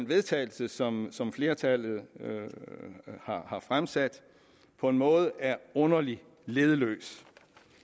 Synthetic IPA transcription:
nʋe̝ð̞ˠt͡sʰɛ̰ːɪl̩səsɒ̽msɒ̽mfle̝ːɐt͡sʰæl̰ð̞̩ˠ | hɑ̈hɑ̈fʁamsæd̥ | pʰɒ̽e̝nmɔ̽ːð̞ˠəæɐɔ̽nɐli | le̝ð̞ˠəlø̰ːs

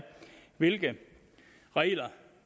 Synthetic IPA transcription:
ʋe̝lɡ̥ə | ʁɛlɐ

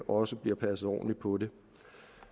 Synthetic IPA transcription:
ʔɒ̽səb̥liɐpʰæs̩ˠɒ̰ːnlipʰɒ̽ɾe̝

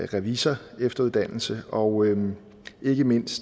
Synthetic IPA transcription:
ʁɛʋisɐefd̥ɐuðˠd̥æn̰l̩səɒ̽ʊ | ʔe̝ɡ̥əme̝n̰sd̥

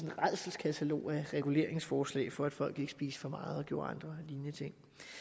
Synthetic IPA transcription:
enʁað̰ˠsl̩skʰæt͡sʰælo̝̰ːæʁɛɡ̥ule̝ɐ̰e̝ŋsfɒːslɛ̰ːɪfɒ̽æd̥fɒ̽l̰ɡ̥e̝ɡ̥əsb̥ḭːsfɒ̽mɑ̈ːð̩ˠɒ̽ɡ̥jo̝ɐɑ̈nd̥ʁɐliːnət͡sʰe̝ŋ̰

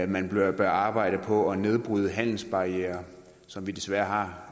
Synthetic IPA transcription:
mænb̥b̥ɶɐɑ̈ːb̥ɑ̈ɪ̰d̥əpʰɒ̽ɒne̝ð̞ˠb̥ʁyːð̞ˠəɦæn̰l̩sb̥ɑ̈iḛːɐ | sɒ̽mʋid̥e̝sʋæːɐɦɑ̈

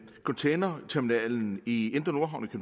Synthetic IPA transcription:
kʰɒnt͡sʰeɪnɐt͡sʰæɐminɛ̰ːln̩ie̝nd̥ɐno̝ɐɦʊnikʰøn

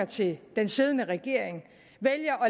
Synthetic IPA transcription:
ɐt͡sʰe̝d̥ense̝ð̞ˠnəʁɛɡ̥e̝ɐ̰eŋ | ʋeljɐʔɒ̽

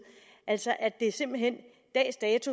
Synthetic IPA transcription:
ʔælsɒ̽ʔæd̥e̝se̝mb̥l̩ɦen̰ | d̥ɛ̰ːsd̥ɛːt͡sʰu

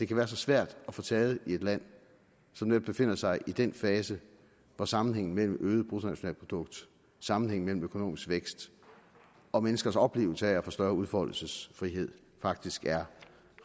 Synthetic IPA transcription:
d̥e̝kʰæʋæːɐs̬ɒ̽sʋæɐ̰d̥ɒfɔ̽ːt͡sʰɛːð̞̩ˠie̝d̥læn̰ | sɒ̽md̥eb̥e̝fe̝n̰ɐsɑ̈ɪʔid̥enfɛːsə | ʋɒsɑ̈mn̩ɦeŋ̰n̩mel̰m̩øːð̞̩ˠb̥ʰʁusnæɕo̝nɛ̰ːlpʰod̥ɔ̽ɡ̥d̥ | sɑ̈mn̩heŋn̩mel̰m̩økʰo̝no̝̰ːmisɡ̥ʋeɡ̥sd̥ | ɒ̽menəsɡ̥ɐsɒ̽b̥le̝̰ːʊl̩sæfɒsd̥ɶɐuð̞ˠfɒ̽l̰l̩səsfʁiɦe̝ð̞̰ˠ | fɑ̈ɡ̥̚d̥isɡ̥æɐ

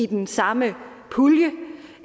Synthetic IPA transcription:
id̥ensɑ̈mə | pʰuljə

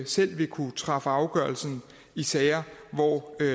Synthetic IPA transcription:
sel̰ʋe̝kʰut͡sʰʁɑ̈fəɑ̈ʊɡ̥ɶɐlsn̩ | isɛːɐʋɒ̰

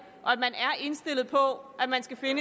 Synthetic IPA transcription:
ʔɒ̽æd̥mænæɐʔe̝nsd̥e̝l̰ð̩ˠpʰɒ̽æ̥mænsɡ̥æfe̝nə

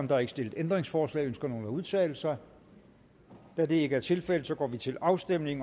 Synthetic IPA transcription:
nd̥ɑhɑ̈e̝ɡ̥sd̥e̝ləð̩ˠend̥ʁeŋsfɒːslɛ̰ːønsɡ̥ɐno̝ːləæuð̞ˠt͡sʰɛ̰ːl̩sɐ | d̥æd̥e̝e̝ɡ̥əæɐt͡sʰe̝lfel̰ð̩ˠsɒ̽ɡ̥ɒ̰ːʋit͡sʰe̝lɑ̈ʊsd̥em̰ne̝ŋ

